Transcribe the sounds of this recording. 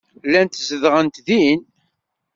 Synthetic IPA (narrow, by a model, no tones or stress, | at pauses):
lːænt̪zəðʁənt̪ðin